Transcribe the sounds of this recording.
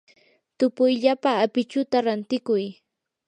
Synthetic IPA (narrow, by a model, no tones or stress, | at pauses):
t̪ʊpʊjʎapaːpɪt͡ʃʊt̪aɾant̪ɪkʊj